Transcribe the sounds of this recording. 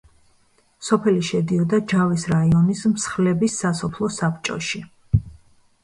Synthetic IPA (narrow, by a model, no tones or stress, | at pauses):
sɔpʰɛliʃɛd̪iɔd̪ad͡ʒavisɾaiɔnismsχlɛbisːasɔpʰlˠɔsapʰt͡ʃʼɔ̰ʃi